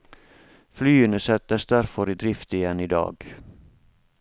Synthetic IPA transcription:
flyːənəsɛt̪əsd̪æɾfɔɾiːd̪ɾɪft̪ɪjɛniːd̪ɑ̰ːɡ̥

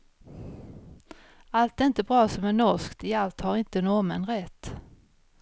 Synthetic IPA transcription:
alt̪ɛɾɪnt̪əbɾɑːsɔmænɔʂkt̪ɪalt̪haɾɪnt̪ənɔmɛnɾɛt̪ː

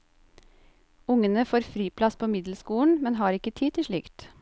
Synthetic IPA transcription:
ʊŋənəfoːɾfɾiːpʰlɑspʰoːmɪd̪l̩skuːɳ̩mɛnhɑːɾɪkət̪ʰiːt̪ʰɪʃɭɪkt̪

